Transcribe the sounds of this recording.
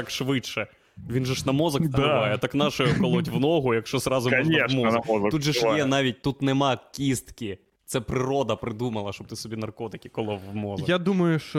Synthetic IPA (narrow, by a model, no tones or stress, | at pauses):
ɑkʃʋɪt͡ʃːɛ | ʋʲinʒɛʃnɐmɔzɐk̪ɪʋɑjɛt̪ɑknɑʃʊjʊkɔlˠɔtʲʋnɔɦʊjɐkʃt͡ʃɔzrɑzʊimɔɐɔɐk̪tud̪ʒɛjɛnɑʋʲit̚ʲt̪ut̪nɛmɑkʲist̪kʲi | t̪sɛpɾɪɾɔd̪ɐpɾɪd̪umɐlˠɐʃt͡ʃɔb̚t̪ɪsɔbʲinɐrkɔt̪ɪkʲi̥kɔlˠɔwʋmɔzɐjad̪umɐjʊʃt͡ʃɔ